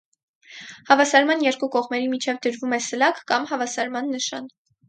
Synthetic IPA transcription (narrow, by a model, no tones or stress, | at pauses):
hɑvɑsɑɾmɑnjɛɾkukɔʁmɛɾimit͡ʃʰɛvd̪əɾvumɛsəlɑkkɑmhɑvɑsɑɾmɑnːəʃɑn